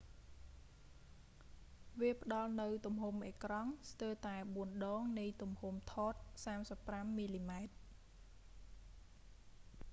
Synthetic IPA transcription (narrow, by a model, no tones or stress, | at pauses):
ʋiəpə̆ɗɑlnɨwt̪umhumʔeːkrɑŋst̪əːt̪aɛɓuənɗɑːŋnɨjt̪umhumt̪ʰɔːt̪̚saːmsəpːramːiːliːmaɛt̪̚